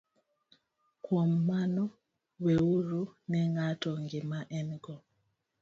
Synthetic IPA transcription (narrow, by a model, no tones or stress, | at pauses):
kwɔmːanɔ | wɛuɾunɛŋatɔŋɡimaʔɛnɡɔ